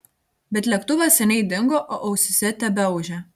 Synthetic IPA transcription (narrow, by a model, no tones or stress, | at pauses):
bʲɛt̪lʲɛkt̪uʋɐsʲɛnʲɛɪd̪ʲɪŋɡoʔoːʔɐʊsʲɪsʲɛt̪ʲɛbʲɛʊʒʲɛ